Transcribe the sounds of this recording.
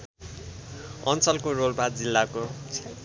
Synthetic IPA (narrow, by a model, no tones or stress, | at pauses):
ʌnt͡sʌlkorolbʱad͡zilːako